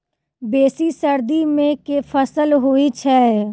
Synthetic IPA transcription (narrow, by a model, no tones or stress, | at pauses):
beːsisəɾd̪imẽkefʰəsəlɦuit͡ʃʰɛ